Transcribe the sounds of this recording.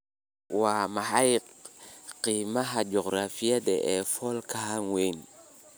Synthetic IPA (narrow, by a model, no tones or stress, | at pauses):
waːmɐħajqqiːmɐɦɐd͡ʒɔqɾafijɐd̪ɛʔɛːfɔlkʰɐɦaŋwɛjn